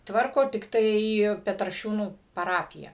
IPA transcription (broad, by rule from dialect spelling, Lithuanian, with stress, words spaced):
ˈtʋɐrkoː tʲɪkˈtɐɪ pʲɛtrɐˈʃʲuːnuː pɐˈrɑːpʲɪjɛ